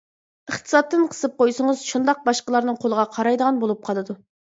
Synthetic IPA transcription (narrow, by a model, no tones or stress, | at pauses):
əχt̪ʰɨ̥sɑt̪ːɨnqʰə̥sɨp̚qojsɨŋəzʃund̪ɑq̚bɑʃqəlˠɑɾnɨŋqʰolˠəʁɑqʰɑɾɑjd̪əʁɑnbolˠup̚qʰɑlˠɨd̪u